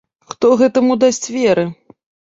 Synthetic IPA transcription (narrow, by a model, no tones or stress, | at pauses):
xt̪ɔɣɛt̪ɐmud̪asʲt͡sʲvʲɛɾɨ